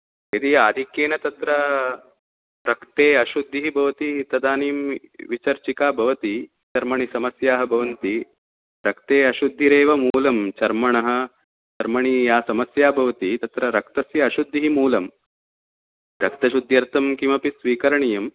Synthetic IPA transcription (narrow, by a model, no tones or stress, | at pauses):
ed̪iaːd̪ʱikjeːnɐt̪ɐt̪ɾɐ | ɾɐkt̪eːɐʃud̪ʱːiɦibʱɐʋɐt̪it̪ɐd̪aːniːmʋit͡ʃɐɾt͡ʃikaːbʱɐʋɐt̪i | t͡ʃɐɾmɐɳisɐmɐsjaːɦɐbʱɐʋɐnt̪i | ɾɐkt̪eːɐʃud̪ʱːiɾeːʋɐmuːlɐmt͡ʃɐɾmɐɳɐɦɐ̆ | t͡ʃɐɾmɐɳijaːsɐmɐsjaːbʱɐʋɐt̪it̪ɐt̪ɾɐɾɐk̚t̪ɐsjɐːʃud̪ʱːiɦimuːlɐm | ɾɐk̚t̪ɐʃud̪ʱjɐɾt̪ʰɐmkimɐpisʋiːkɐɾɐɳijɐm